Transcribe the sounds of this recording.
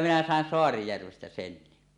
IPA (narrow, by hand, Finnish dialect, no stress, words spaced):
minæ sɑˑen soɑrijærʋestæ senːi